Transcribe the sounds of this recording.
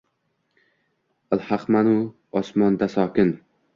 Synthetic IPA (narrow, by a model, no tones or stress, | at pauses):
alhɑqmanu | ɒsmɒnd̪asɒːkʲɪn